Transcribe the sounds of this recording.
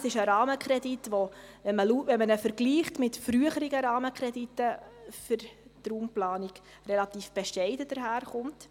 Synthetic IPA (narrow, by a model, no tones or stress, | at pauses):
sɪʃəɾɑːməkʰɾɛditʋoʋɛnməluʋɛnmənəfəɾɡliːχtmɪtfɾyəχəɾiɡəɾɑːməkχɾɛditːəfʏɾtɾuːmplɑːniɡ̥ | relɑt̪iːfb̥ɛʃɛɪdəd̥əɾɦæːɾχʊnt